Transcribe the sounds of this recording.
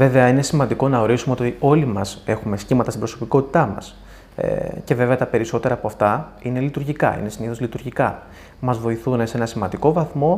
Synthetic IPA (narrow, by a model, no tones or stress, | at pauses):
ve̞ve̞ɐine̞simɐnd̪iko̞nɐo̞ɾisumeo̞t̪io̞limɐse̞xume̞sçimɐt̪ɐst̪ibɾo̞so̞piko̞t̪i̥t̪ɐmɐ̰s | ḛce̞ve̞ve̞ɐt̪ɐpe̞ɾiso̞t̪e̞ɾɐːpoɐft̪ɐine̞lit̪uɾʝikɐ̰ḭne̞siniθolit̪uɾʝikɐ | mɐzvo̞iθunese̞nɐsimɐnd̪iko̞vɐθmo̞